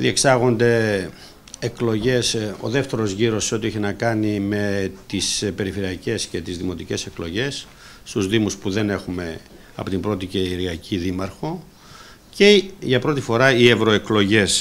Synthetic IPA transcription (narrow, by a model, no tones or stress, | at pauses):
ðie̞ksɐɣo̞nd̪e̞ː | eklo̞ʝe̞so̞̰ðe̞ft̪e̞ɾo̞zʝiɾo̞sːo̞t̪ieçinɐkɐnime̞t̪ispe̞ɾife̞ɾiɐce̞sce̞t̪izðimo̞t̪ice̞se̞klo̞ʝe̞sː | t̪uzðimuspuðe̞ne̞xume̞ | ɐ̰pot̪imbɾo̞t̪iceɾiɐciðimɐɾxo̞ | ce̞ʝɐpɾo̞t̪ifo̞ɾɐie̞vɾo̞e̞klo̞ʝe̞s